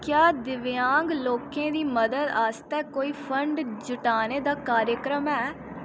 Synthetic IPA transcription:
kjaːd̪ɪʋjãːŋɡloːkẽːd̪iːməd̪əd̪aːst̪ɛːkoːiːpʰəɳɖd͡ʒʊʈaːneːd̪aːkaːɾjəkɾəmɛː

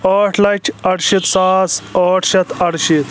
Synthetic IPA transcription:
oːʈʰlɐt͡ʃʰɐɽʃit̪saːsoːʈʰʃɐt̪ʰɐɽʃit̪

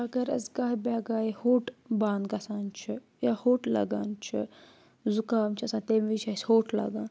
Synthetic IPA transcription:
ɐɡɐɾɐ̰zɡaːɦbʲaːɡaːihoːʈbaːnd̪ɡɐsaːnt͡ʃʰi | jaːhoːʈlɐ̰ɡaːnt͡ʃʰḭ | zukaːmt͡ʃʰiɐsãːt̪eːmʋit͡ʃʰaːsʲhoːʈʰla̰ɡaːn

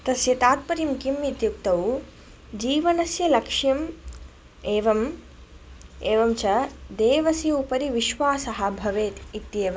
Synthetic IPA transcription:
t̪ɐsjɐt̪aːt̪̚pɐɾimkimit̪juk̚t̪ɐw | d͡ʒiːʋɐnɐsjɐlɐkʂjɐm | eːʋɐm | eːʋɐmt͡ʃɐd̪eːʋɐsjɐupɐɾiʋiʃʋaːsɐɦɐ̆bʱɐʋeːt̪it̪jeːʋɐ

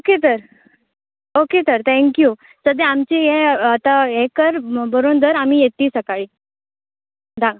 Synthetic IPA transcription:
oket̪əɾ | oket̪əɾt̪ʰɛ̃ŋkju | səd̪ẽamt͡ɕiɦeat̪aɦekəɾbəɾond̪əɾamiːjet̪iːsəkaɭi | d̪a

